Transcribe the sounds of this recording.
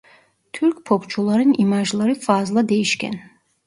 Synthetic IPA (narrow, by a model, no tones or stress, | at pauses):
t̪ʰyɾkpʰɔpt͡ʃʰulˠaɾinimaʒlˠaɾifaːzlˠad̪eiʃkʲʰɛ̰n